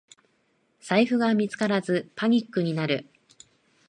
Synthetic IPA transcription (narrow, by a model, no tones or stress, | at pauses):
saiɸɯ̟ɡamʲit͡sɨ̥kaɾazɨpaɲ̟ikːɯ̟ɲ̟inaɾɯ̟